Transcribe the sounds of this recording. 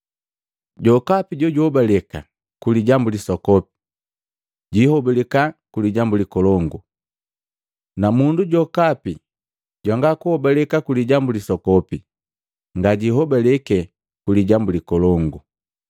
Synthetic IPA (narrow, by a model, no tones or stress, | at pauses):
ɟɔkapiɟɔɟɔbalɛka̰ | kuliɟambulisɔkɔpi̥ | ɟihɔbɛlɛkakuliɟambulikɔlɔŋɡu | namunduɟɔkapi | ɟaŋɡakuhɔbalɛkakuliɟambulisɔkɔpi | ŋɡaɟiɦɔbalɛkɛ | kuliɟambulikɔlɔŋɡu